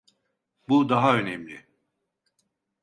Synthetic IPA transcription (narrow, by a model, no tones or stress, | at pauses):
bud̪aɦaø̞nɛmlʲɪ